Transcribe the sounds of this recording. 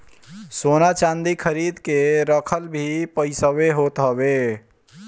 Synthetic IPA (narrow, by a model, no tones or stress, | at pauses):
sonat͡ʃãnd̪ikʰəɾid̪keɾəkʰəlbʱipəɪsəβeɦot̪ɦəbe